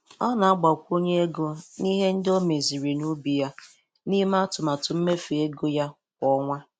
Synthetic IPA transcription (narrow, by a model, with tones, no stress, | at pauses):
ɔ˦na˨a˦ɡ͡ba˨kʷo˦ɲe˦e˦ɡo˦ni˦ɦe˦n̩˦do˦me˨zi˨ɾi˨nu˦bi˨ja˦ | ni˦m˦a˦tʊ˨ma˨tʊ˨m̩˦me˦fi˨e˦ɡo˦ja˦ | kʷɔ˦ŋʷa˦